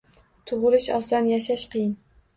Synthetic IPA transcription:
t̪ʰʊʁlɪʃɒsɒnjaʃaʃqʰɨjɪn

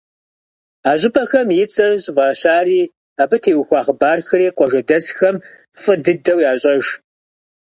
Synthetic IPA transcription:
aːʑɪpʰʼɐxɐmjɪt͡sʼɐʒʼvɑːɕaːriː | aːbɨtʰeːwxʷɑːχəbaːrxɨreːqʷʼɔʒɐdɐsxɐm | fʼɨdɨdɐwjaːɕʼɐʒ

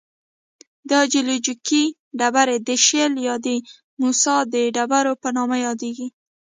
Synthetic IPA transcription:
d̪ɑd͡ʒilud͡ʒiki | ɖabaɾed̪əʃeljɑd̪ə | musɑd̪əɖabaɾopənɑmajɑd̪eɡi

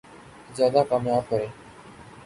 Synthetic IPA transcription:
zjaːd̪aːkaːmjaːb̚kəɾeː

